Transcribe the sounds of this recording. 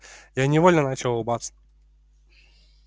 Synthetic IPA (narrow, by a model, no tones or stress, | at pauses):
janʲɪvolʲnənat͡ɕɪlˠʊbat̪sə̥